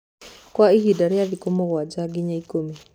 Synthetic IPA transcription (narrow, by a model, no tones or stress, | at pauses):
kwaiɦidaɾjaðikomɔwad͡ʒaɡɪɲaikomi